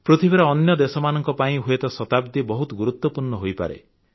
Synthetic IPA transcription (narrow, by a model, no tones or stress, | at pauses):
pɾut̪ʰibeɾɔːnjɔd̪esɔmanɔŋkɔpaĩɦuet̪ɔsɔt̪ab̚d̪ibɔɦut̪ɔɡuɾut̪wɔpuɾɳɔɦojpa̰ɾḛ